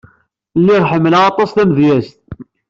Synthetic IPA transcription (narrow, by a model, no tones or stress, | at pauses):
lːiʁħəmːələʁɑt̪ˤɑsθæməðjæst̪̚